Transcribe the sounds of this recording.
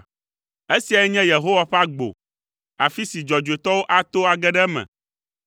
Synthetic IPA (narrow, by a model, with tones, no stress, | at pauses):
e˦si˨a˨jɛ˦ɲɛ̃˦je˨ɦo˦wa˨ɸa˦ɡ͡bo̰˨ | a˨fi˦si˨d͡ʒɔ˨d͡ʒu˨e˨t̪ɔ˦wo˦ʔa˨t̪o˦a˨ɡɛ˦ɖɛ˦mɛ̰̃˨